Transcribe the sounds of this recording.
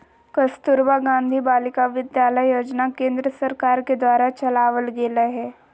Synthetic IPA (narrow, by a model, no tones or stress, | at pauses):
kəst̪ʊɾbaɡãːnd̪ʱibaːlɪkaʋɪd̪jaːləjːoːd͡ʒnakẽːnd̪ɾəsɐɾkaːɾked̪ʋaːɾat͡ʃɐlaːʋəlɡeːlaɦɛː